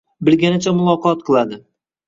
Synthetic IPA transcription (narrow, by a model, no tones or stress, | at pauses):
bɪlɡʲanɪt͡ʃʰamʊlˠɒqʰɒt̪̚qʰɨlˠad̪ɪ